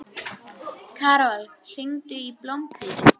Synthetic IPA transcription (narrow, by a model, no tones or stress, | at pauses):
kʰaːɾall̥ɪŋt̪ʏiplompɪ